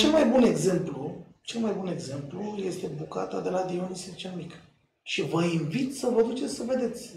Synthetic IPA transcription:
t͡ʃe̞lmajbune̞ɡze̞mplu | t͡ʃe̞lmajbuneɡze̞mpluje̞st̪e̞buka̰t̪a̰d̪e̞lad̪ioniset͡ʃelmik | ʃivəinvit̪səvəd̪ut͡ʃe̞t̪sʲsəve̞d̪e̞t̪sʲ

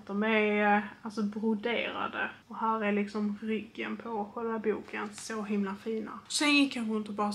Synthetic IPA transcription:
d̪̥ɔmɛɾalsɔbɾʊd̪ḛːɾa̰d̪əɔɦæːɾælɪksɔmɾʏɡːə̰npʰɔɧɛːlvabuːkənsoɦɪmlafiːna̰sɛnjɪkʰːanɧɪnt̪əbɑːɾa

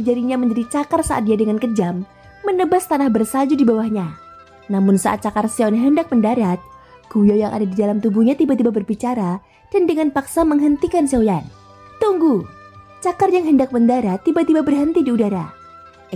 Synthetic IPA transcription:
d͡ʒaɾiɲaməɲd͡ʒaɾit͡ʃakarsaʔa̰t̪̚diadəŋankəd͡ʒamː | ənəbast̪anahbərsad͡ʒudibawahɲa | namʊnsa̰ʔa̰t̪̚t͡ʃakarsiɔnɦəndak̚məndaɾat̪̚ | ɡ̥ujawjaŋʔa̰dadidalamt̪ubuhɲat̪ibat̪ibabərbit͡ʃaɾa | d̥andəŋanpaksaməŋɦənt̪ikansiawjan | t̪uŋɡu | t͡ʃakarjaŋɦəndak̚məndaɾat̪ːibat̪ibabərɦənt̪idiudaɾa̰

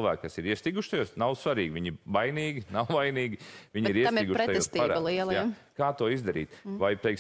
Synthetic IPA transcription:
lˠʋæ̰ːkkasiɾiəst̪iɡuʃt̪ajuɔsnawsʋaɾiːɡʲʋiɲɪbajniːɡʲinawvajniːɡʲiʋiɲiɾiɛsiɡuʃɾɛt̪j̪ust̪t̪iaɾa̰lˠiɛlˠja | kaːt̪uɔizd̪aɾḭːt̪vajpɾɛjks

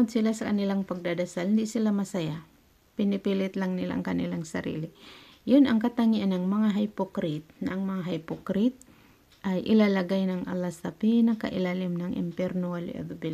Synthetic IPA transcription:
od̪̚sɪlasɐkɐnɪlaŋpɐɡ̚d̪ad̪asalhɪnd̪iʔsɪlamɐsaja | pɪnɪpilɪt̪laŋnɪla̰ʔɐ̰ŋkɐnɪlaŋsɐ̰ɾḭːlɪ | jʊnɐŋkɐt̪aŋiʔanɐŋmɐŋaɦajpokɾɪt̪̚nɐʔaŋmɐŋaɦajpokɾɪt̪̚ | ʔajʔɪlalaɡajnɐŋʔa̰lasapinɐka̰ʔɪlaːlɪmnɐŋʔɪ̰mpɛɾnoalɪ̰ʔɛ̰d̪bɪl

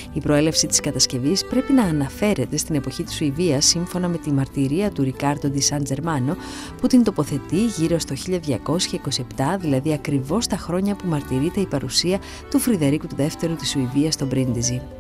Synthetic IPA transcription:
ipɾo̞e̞le̞fsit̪i̥skɐt̪ɐsce̞vispɾe̞pinɐːnɐfe̞ɾe̞t̪e̞st̪ine̞po̞çit̪i̥suiviɐsːiɱfo̞nɐme̞t̪imɐɾt̪iɾiɐt̪uɾikɐɾd̪od̪isɐnd͡ze̞ɾmɐno̞ | put̪int̪o̞po̞θe̞t̪iʝiɾo̞st̪o̞çiʎɐðʝɐko̞sçɐiko̞sie̞pt̪ɐðilɐðiɐkɾivo̞st̪ɐxɾo̞ɲɐpumɐɾt̪iɾit̪e̞ipɐɾusiɐ | t̪ufɾiðe̞ɾikut̪uðe̞ft̪e̞ɾut̪isuiviɐst̪o̞bɾind̪izi

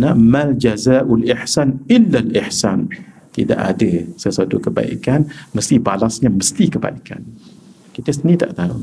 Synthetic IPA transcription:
namald͡ʒazaːʔulʔɪħsanʔɪlːalɪħsan | t̪ida̰ʔa̰dəsərsat̪ukəba̰ḭkanməst̪ibalasɲaməst̪ikəba̰ika̰n | kit̪əsənĩt̪a̰ʔt̪aʊ̰ŋ

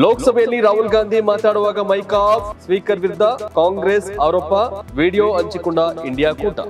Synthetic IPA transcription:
lɔːkɐsɐbʱɐjɐnːiɾaːɦulɡaːnd̪ʱimaːʈlaːɽɐʋaːɡɐmɐjkaːp̚sʋiːkɐɾʋiɾd̪ʱːɐkaːŋɡɾeːsaːɾoːpaʋiːɽijoːɐɲt͡ʃikuɳɖaːiɳɖijaːkuːʈɐ̰

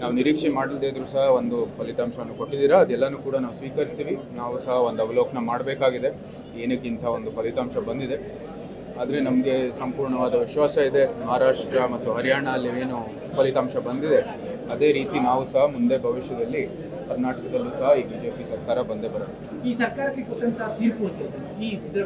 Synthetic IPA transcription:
naːʋuniɾiːkʂɛmaːɽild̪ed̪ɐɾuːsɐɦɐo̞nd̪upɐlit̪aːmʂɐnːuko̞ʈːid̪iːɾɐːd̪ɛlːɐnuːkuːɽɐnaːʋusʋiːkɐɾist̪iːʋinaːʋusɐɦɐo̞nd̪ɐʋɐloːknɐmaːɽbeːkaːɡid̪e̞ | e̞ːnɐkːint̪ʰɐo̞nd̪upɐlit̪aːmʃɐbɐnd̪id̪e̞ | aːd̪ɐɾe̞nɐmɐɡe̞sɐmpuːɾɳɐʋaːd̪ɐʋiʃʋaːsɐid̪e̞mɐɦaɾaːʂʈɾɐmɐt̪ːuɦɐɾijaːɳɐɐlːieːnu | pɐlit̪aːmʃɐbɐnd̪id̪e̞ | ɐd̪e̞ːɾiːt̪inaːʋusɐɦɐmund̪e̞bʱɐʋiʃjɐd̪ɐlːi | kɐɾnaːʈɐkɐd̪ɐlːusɐɦɐiːbiːd͡ʒe̞ːpisɐɾkaːɾɐbɐnd̪e̞bɐɾɐd̪ | iːsɐɾkaːɾɐkːekoʈːɐnt̪ɐɐt̪iːɾput̪esɐɾiːid̪ɐ

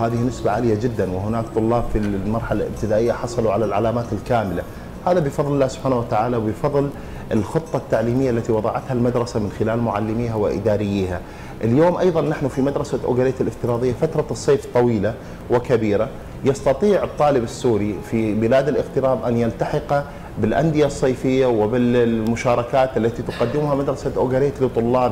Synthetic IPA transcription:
haːðɪhinɪsbaʕalɪjad͡ʒɪd̪ːanwɪɦʊnaːkt̪ˤʊlːɑːbfimɑɾˤħala̰lʔɪ̰b̚t̪ɪd̪aːʔɪjːaħɑsˤɑluʕalalʕalaːmaːt̪ɪlkaːmɪla | haːðabɪfɑðˤlɪlːaːhsʊb̥ħaːnawat̪aʕaːlawbɪfɑðˤl | ɪlxʊt̪ˤːɑt̪ːaʕliːmɪjːaʔalːat̪iwɑðˤɑʕat̪halmad̪ɾˤɑsamɪnxɪlaːlmʊʕalːɪmiːɦawɪ̰ʔɪ̰d̪aːɾɪjːiːha | ʔɪljoːmʔɑjðˤɑnːaħnufimad̪ɾˤɑsaʔʊ̰ɡaɾeːt̪ɪlʔɪft̪ɪɾˤɑːðˤɪjːafat̪ɾˤɑsˤːeːft̪ˤːɑwiːla | wɪkabiːɾa | jɑst̪ɑt̪ˤiːʕɨt̪ˤːɑːlɪbɪsːuːɾifibɪlaːd̪ɪlʔɪɣt̪ɪɾɑːbʔanjalt̪aħɪqɑ | bɪlʔa̰nd̪ɪjasˤːɑːfɪjːawɪbɪlmʊʃaːɾˤɑkaːt̪ʔalːat̪it̪ʊqad̪ːɪmʊhamad̪ɾˤɑsaʔʊɡaɾeːt̪lɪt̪ˤːʊlːɑːb

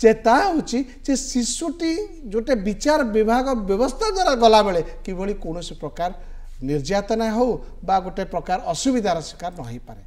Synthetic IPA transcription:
t͡ʃet̪aɦewt͡ʃʰi | d͡ʒesisuʈi | d͡ʒoʈebit͡ʃaɾɔbibʱaɡɔbjɔbɔst̪ʰad̪waɾaɡɔlabeɭekibɔɭikoɽ̃ɔsepɾɔkaɾ | niɾd͡ʒat̪ɔnaɦew | baɡoʈepɾɔkaɾɔsubid̪ʱaɾɔsi̥kaɾɔnɔɦijpaɾe

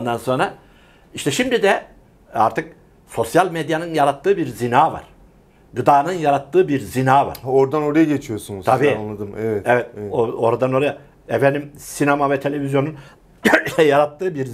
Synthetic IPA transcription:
nd̪anso̞nɾa | iʃt̪ʰɛʃimd̪id̪ɛ | aɾt̪ʰɯk̚ | so̞sjalʲmed̪janɯnjaɾat̪ʰːɯːbiɾzinaːva̰ɾ̥ | ɡɯd̪aːnɯnjaɾat̪ːɯːbiɾzinaːva̰ɾɾoɾd̪ano̞ɾajaɟet͡ʃʰijo̞sunuzt̪ʰabiːanlˠad̪ɯmevɛt̪ɛvɛt̪̚oo̞ɾad̪ano̞ɾaja | efɛnimsinamavɛt̪ʰe̞lʲe̞vizjo̞nun | jaɾat̪ːɯːbiɾ

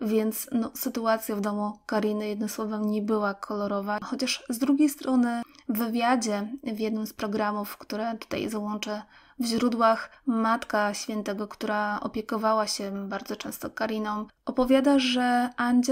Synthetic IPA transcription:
vʲjɛnt̪snɔsɘt̪uat̪sʲjavd̪ɔmukaɾʲinɘjɛd̪nɔswɔvɛmɲɛbɘwakʰɔlɔɾɔvaxɔt͡ɕaʂzd̪ɾuɡʲejst̪ɾʔɔnɘvɘvʲjad͡ʑɛvʲjɛd̪nɘmspɾɔɡɾamufkt̪uɾɛt̪u̥t̪a̰jzawɔnt͡ʂɛ | vʑɾud̪waxmat̪kaɕfʲjɛnt̪ɛɡɔkt̪uɾaɔ̰pʲjɛkɔvawaɕɛbaɾd̪zɔt͡ʂɛ̃w̃st̪ɔkaɾʲinɔm | ɔpɔvʲjad̪aʐɛaɲd͡ʑ

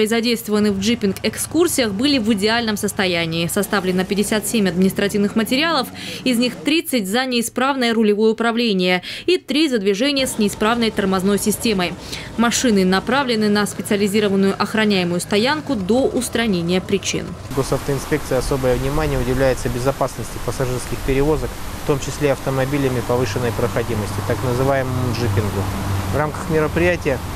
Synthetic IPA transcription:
pəɪzɐdʲejst̪vəvənɨvʐɨpʲɪnkɛkskursʲɪjəxbɨlʲɪvɨdʲɪalʲnəmsəst̪ɐjænʲɪːsɐst̪avlʲɪnəpʲɪdʲɪsʲat̪sʲemʲɐd̪mʲɪnʲɪst̪ɾɐtʲivnɨxmətʲɪɾʲɪalˠəfɪzʲnʲixt̪ɾʲit̪sɨtʲzənʲɪːspɾavnəjəɾʊlʲɪvo̞jəʊpɾɐvlʲenʲɪjəit̪ɾʲizəd̪vʲɪʐɛnʲɪjəsnʲɪɪspɾavnəjt̪ərmɐzno̞jsʲɪsʲtʲe̞məj | mɐʂɨnɨnɐpɾavlʲɪnɨnəspʲɪt̪sɨəlʲɪzʲiɾəvənːʊjʊʔɐxɾɐnʲæjɪmʊjʊst̪ɐjankʊd̪oʔʊst̪ɾɐnʲenʲɪjəpɾʲɪt͡ɕḭn | ɡo̞sɐft̪əɪnspʲe̞kt̪sɨjəɐso̞bəjəvnʲɪmanʲɪjəʊdʲɪvlʲæjɪt̪səbʲɪzɐpasnəsʲtʲɪpəsɐʐɨrskʲɪxpʲɪɾʲɪvo̞zək | ft̪o̞mt͡ɕɪsʲlʲeɐft̪əmɐbʲilʲəmʲɪpɐvɨʂɨnːəjpɾəxɐdʲiməsʲtʲɪt̪aknəzɨvajɪməmʊʐɨpʲɪnɡʊvramkə̥xmʲɪɾəpɾʲɪjætʲɪjə

